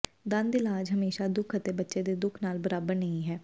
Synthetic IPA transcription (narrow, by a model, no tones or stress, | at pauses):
d̪ə̃nd̪ɪlaːd͡ʒɦəmeːʃad̪ʊkʰət̪ebətːʃed̪eːd̪ʊkʰnaːlbəɾaːbəɾnəĩːɦɛː